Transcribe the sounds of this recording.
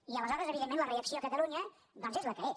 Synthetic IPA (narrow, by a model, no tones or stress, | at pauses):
iələzaðɾəzəβiðemːẽnləreəksioəkət̪əluɲə | d̪ɔnzezləkəɾɛ